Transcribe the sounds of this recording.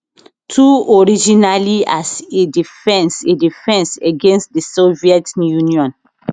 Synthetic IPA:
tʰuɔɹid͡ʒinaliasedifɛ̃nsedifɛ̃nseɡẽnstdisoviɛtjunjɔ̃n

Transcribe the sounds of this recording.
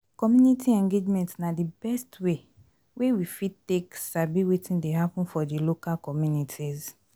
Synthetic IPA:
kɔmjunitʰiɛ̃ŋɡed͡ʒmɛ̃ntsnadibɛstwe | wewifiteksabiwetĩndeɦapũnfɔdilokalkɔmjunitʰiz

